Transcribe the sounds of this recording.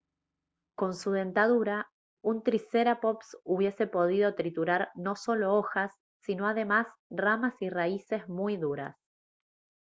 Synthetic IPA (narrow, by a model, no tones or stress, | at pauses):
ko̞nsuðe̞nt̪aðuɾa | unt̪ɾise̞ɾapo̞psuβje̞se̞po̞ð̞iðo̞t̪ɾit̪uɾaɾno̞so̞lo̞oxasː | ino̞aðe̞masramasiraise̞zmujðuɾa̰s